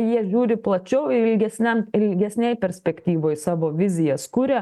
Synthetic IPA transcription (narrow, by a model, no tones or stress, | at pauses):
jiɛʒʲuːɾʲɪplˠɐt͡ʃʲɛʊɪlʲɡʲɛsʲnʲɛmɪlʲɡʲɛsʲnʲɛjpʲɛɾʲsʲpʲɛkt̪ʲiːʋoːjsɑːʋoːʋʲɪzʲɪjɛskʊɾʲɛ